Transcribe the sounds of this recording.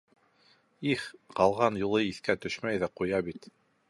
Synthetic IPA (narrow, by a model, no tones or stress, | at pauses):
iχqɑlˠʁɑnjulˠɤiθkæt̪ɵʃmæjðæqujɑbit̪